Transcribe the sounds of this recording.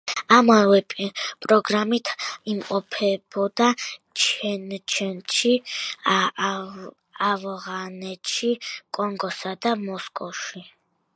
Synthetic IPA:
amavɛpʼɾɔɡɾamit̪ʰimqʼɔpʰɛb̥ɔd̪at͡ʃʰɛnt͡ʃʰɛnʃi | avʁanɛt̪ʃikʼɔŋɡɔsad̪amɔskʼɔʃi

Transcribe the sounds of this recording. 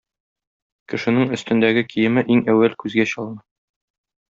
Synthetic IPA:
kɘ̆ʃɘ̆nɘŋɵ̆st̪ɘ̆nd̪æɡɘkijɘ̆mɘʔiŋæwːælkʉzɡæɕɒlˠnɤ

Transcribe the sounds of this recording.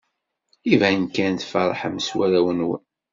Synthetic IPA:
ivænkænt̪fɑɾˤħəmswæɾæwənwə̰n

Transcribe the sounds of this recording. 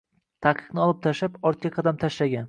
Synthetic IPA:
t̪ʰaqʰɨ̥qnɪɒlˠɪp̚t̪ʰaʃapɒɾt̪̚kʲaqʰɑd̪amt̪ʰaʃlaɡʲan

